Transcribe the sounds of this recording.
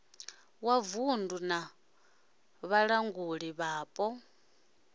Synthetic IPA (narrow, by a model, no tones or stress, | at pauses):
wavunduna | βaɺaŋɡuɺiβaːpʼɔ